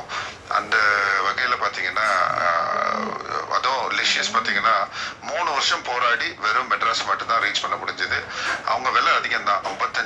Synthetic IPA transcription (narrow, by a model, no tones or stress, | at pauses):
ʔɐ̰nd̪ɐʋɐɣɐjɪlɐpaːɾt̪iːŋɡɐnːaː | ɐ̰ðõːlɪʂɪɐspaːɾt̪iːŋɡɐnːaːmuːɳɯʋɐɾʂɐmpoːɾaːɽiʋɐɾɯmːɛʈɾaːsɐmaːʈːɯt̪ãːɾeːd͡ʒpɐɳːɐmʊɽɪɲd͡ʒɐðɯʔɐ̰ʋɐŋɡɐʋeːlɐɐðɪkːɐnd̪ãːɐmbɐt̪ːɐ